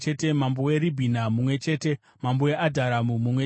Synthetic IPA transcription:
t͡ʃetemambowe̞ɾibʱinamumwe̞t͡ʃe̞ːte̞ | mambojeʔadʱaɾamumumwe

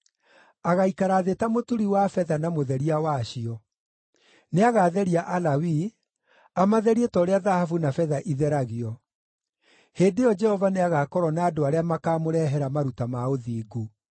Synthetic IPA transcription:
aɣaikaɾaðetamotuɾiwafɛðanamoðɛɾiawaɕiɔ | neaɣaðɛɾiaʔalawi | amaðɛɾietɔɾeaðahafunafɛðaʔiðɛɾaɣeɔ | heːdejɔd͡ʒɛhɔvaneaɣaːkɔɾɔnaːdoaɾeamakaːmoɾɛɦɛɾamaɾutamaoðiːɡu

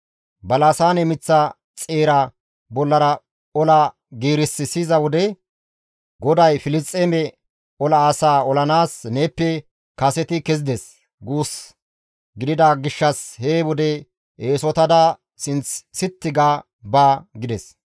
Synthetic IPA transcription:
bɐlaːsaːnɛmɪt͡sːɐ | t͡sʼe̞ːɾɐ | bɔlːɐɾɐ | ɔlɐ | ɡiːɾɪsːɪsɪzɐwɔd̪ɛ | ɡɔd̪ɐjfɪlɪst̪ʼːemɛ | ɔlɐːsaːɔlɐnaːsneːpːɛ | kɐsɛt̪ɪkɛzɪd̪ɛs | ɡuːs | ɡɪd̪ɪd̪aɡɪʃːɐsheːwɔd̪ɛ | ʔeːsɔt̪ɐd̪a | sɪnt͡sːɪt̪ːɪɡaː | baːɡɪd̪ɛs

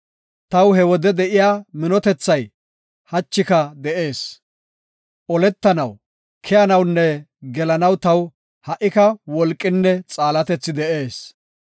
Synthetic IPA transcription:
t̪ɐwhɛwɔd̪ɛd̪ɛʔɪjaːmɪnɔt̪ɛt͡sːɐj | hɐt͡ʃːɪkɐd̪ɛʔe̞ːs | ʔɔlɛt̪ːɐnɐw | kʰɛjɐnɐwnːɛ | ɡɛlɐnɐwt̪ɐw | hɐʔɪkɐwɔlkʼːɪnːɛt͡sʼaːlɐt̪ɛt͡sːɪd̪ɛʔe̞ːs

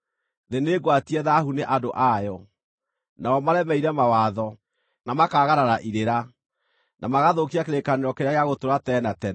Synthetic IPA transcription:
ðeneɡwatiɛðahuneʔadoʔajɔ | naɔmaɾɛmɛiɾɛmawaðɔ | namakaːɣaɾaɾaʔiɾeɾa | nʔamaɣaðokiakeɾekaneɾɔkeɾjaɣejaɣotoɾatɛnatɛ

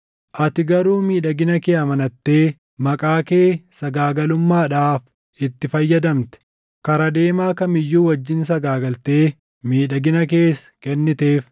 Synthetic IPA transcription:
ʔɐt̪ɪɡɐɾuːmiːᶑɐɡɪnɐkeːɐmɐnɐt̪ːe̞ː | mɐkʼaːke̞ːsɐɡaːɡɐlʊmːaːᶑaːf | ɪt̪ːɪfɐjːɐd̪ɐmt̪ɛ̥ | kɐɾɐd̪e̞ːmaːkɐmɪjːuːwɐd͡ʒːɪns̬ɐɡaːɡɐlt̪eː | miːᶑɐɡɪnɐk̬eːskɛnːɪt̪e̞ːf

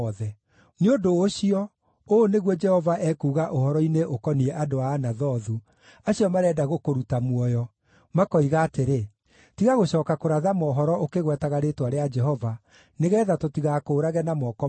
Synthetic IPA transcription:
ðɛ | neodoːɕiɔ | oːneɣwɔd͡ʒɛhɔvaʔɛkuːɣaʔohɔɾɔineʔokɔniɛʔadoaːnaðɔðu | aɕiɔmaɾɛːdaɣokoɾutamwɔjɔ | makɔiɣaːteɾe | tiɣaɣoɕɔːkakoɾaðamɔːɦɔɾɔʔokeɣwɛtaɣaɾetwaɾead͡ʒɛɦɔva | neɣɛːðatotiɣakoːɾaɣɛnamɔːkɔ

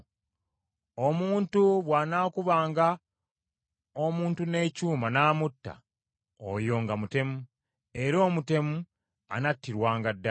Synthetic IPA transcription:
o̞muːntuβwaːnaːkuβaːŋɡa | omuːntune̞ːcuːmanaːmutːa̰ | o̰jo̞ːŋɡamute̞mu | e̞ɾo̞ːmute̞mu | a̰natːiɾwaːŋɡadːa

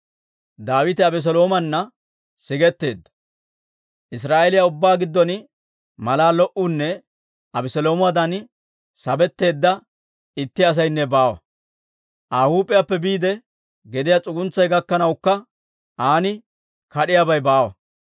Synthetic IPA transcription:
d̪aːwɪt̪ɪɐbɛs̬ɔlo̞ːmɐnːɐ | sɪɡɛt̪ːe̞ːd̪ːɐ̥ | ʔɪs̬ɾaːelɪjaʊbːaːɡɪd̪ːɔn | mɐlaːlɔʔunːɛ | ɐbɛsɛlo̞ːmʊwad̪ɐn | sɐbɛt̪ːe̞ːd̪ːɐ | ɪt̪ːɪɐs̬ɐjnːɛbaːwɐ̰ | ʔaːhuːpʼːɪjapːɛbiːd̪ɛ | ɡɛd̪ɪjat͡sʼʊɡʊnt͡sːɐjɡɐkːɐnɐwkːɐ | ʔaːnɪ | kɐɗɪjabɐjbaːwɐ̰

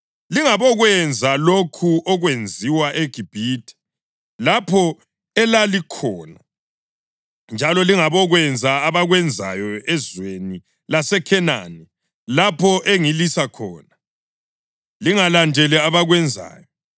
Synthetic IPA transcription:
liŋaβɔɣwɛnd͡zʱalokʰuʔɔɣwend͡zʱiwaʔeɡ̥ʱib̥ʱiːtʰɛ̥ | lapʰɔ | ɛlalikʰɔːna | nd͡ʒʱalɔliŋaβɔɣwɛnd͡zʱaːβaɣwɛnd͡zʱa̰jɔɛzweni | lasɛkʰɛna̰ni | lapʰɔʔeŋilisakʰɔːna | liŋalandʱɛlɛaβaɣwɛnd͡zʱa̰ːjɔ

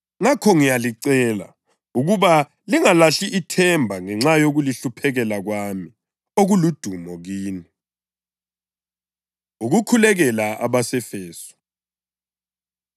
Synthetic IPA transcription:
ŋakʰɔŋijaliǀɛːla̰ | uɣuβa | liŋalaɬiʔːtʰɛmbʱaŋɛŋ͡ǁajoɣuliɬupʰɛɣɛlaɣwami | oɣulud̥ʱumɔɣiːni | uɣukʰulɛɣɛlaʔa̰βasɛfɛːsɔ̥

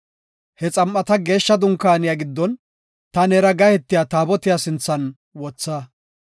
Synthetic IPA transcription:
hɛt͡sʼɐmʔːɐt̪ɐɡe̞ːʃːɐd̪ʊŋkːaːnɪjaɡɪd̪ːɔn | t̪ɐnɛɾɐɡɐhɛt̪ːɪjat̪aːbɔt̪ɪjasɪnt͡sːɐn | wɔt͡sːaː

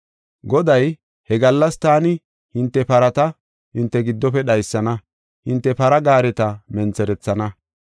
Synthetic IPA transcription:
ɡɔd̪ɐj | hɛɡɐlːɐst̪aːnɪ | hɪnt̪ːɛpɐɾɐt̪ɐ | hɪnt̪ːɛɡɪd̪ːɔpɛɗɐjsːɐnɐ | hɪnt̪ːɛpɐɾɐɡaːɾɛt̪ɐmɛnt͡sɛɾɛt͡sːɐnɐ

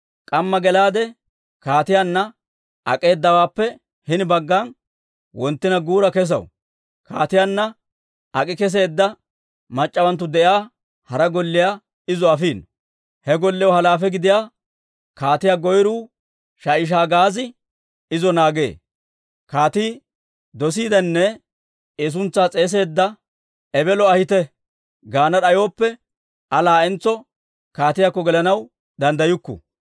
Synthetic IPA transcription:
kʼɐmːɐɡɛlaːd̪ɛ | kaːt̪ɪjanːɐ | ʔɐ̰kʼe̞ːd̪ːɐwaːpːɛ | hɪnɪbɐɡːan | wɔnt̪ːɪnɐɡuːɾɐkɛs̬ɐ̰w | kʰaːt̪ɪjaːnːɐ | ʔɐkʼɪkɛs̬eːd̪ːɐ | mɐt͡ʃʼːɐwɐnt̪̬ːʊd̪ɛʔjaː | hɐɾɐɡɔlːɪjaː | ɪzɔɐfiːn | hɛɡɔlːɛjwɔhɐlaːfɛɡɪd̪ɪjaː | kaːt̪ɪjaːɡɔjɾuː | ʃajɪʃ̬aːɡaːzɪ | ɪzɔnaːɡḛː | kaːt̪iː | d̪ɔs̬iːd̪ɐnːɛ | es̬ʊnt͡sːaːt͡sʼe̞ːs̬e̞ːd̪ːɐ | ɛbɛlɔɐhɪt̪ɛ | ɡaːnɐɗɐjo̞ːpːɛ | ɐlaːɛnt͡sːɔ | kaːt̪ɪjakːɔɡɛlɐnɐw | d̪ɐnd̪ɐjʊkːʊ̰

